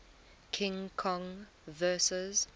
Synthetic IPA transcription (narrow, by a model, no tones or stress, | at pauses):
kʰɪ̃ŋkʰɔ̃ŋ | vɜːˑsəz